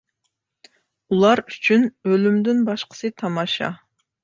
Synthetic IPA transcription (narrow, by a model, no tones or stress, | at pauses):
ulˠɑɾyt͡ʃʰynølymd̪ynbɑʃqə̥sɨt̪ʰɑmɑʃɑ̰